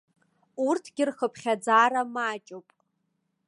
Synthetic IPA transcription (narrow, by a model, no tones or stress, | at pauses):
urtʰɡ̥ʲɪrχəpʰχʲad͡zaːɾamaːt͡ʃʼowpʼ